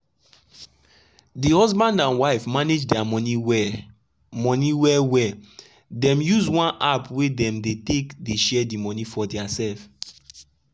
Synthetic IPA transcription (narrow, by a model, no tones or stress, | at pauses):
dihɔzbãndãnwaɪfmaned͡ʒdɛamɔniɛ | mɔ̃niwɛwɛ | dɛ̃mjuzwãnapwedɛ̃mdetekdeʃɛdimɔnifɔdɛasɛlf